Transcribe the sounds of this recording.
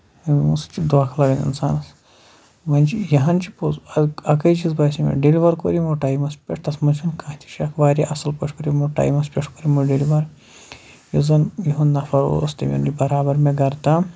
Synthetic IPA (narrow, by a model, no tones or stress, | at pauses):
ɐmust͡ʃid̪ʋaːkʰlɐɡɐnḭnsa̰ːnɐs | ʋɐnʲt͡ʃijɐɦɐnt͡ʃi̥pozɐɐkɐjt͡ʃizbaːsʲimḛɖeliʋɐɾkoɾimoʈaːjmɐspʲeʈʰt̪ɐsmɐt͡ʃʰɐnkʰãːt̪ʰi̥ʃɐkʰʋaːɾʲiʔɐsɐlpɐʈʰkoɾimoʈa̰ːjmɐspʲeʈʰkoɾimuɖeliʋɐɾ | jozɐnjiɦunnɐfɐɾo̰ːst̪ɐ̰mʲḭnibɐɾaːbɐɾmeɡɐɾt̪ɐ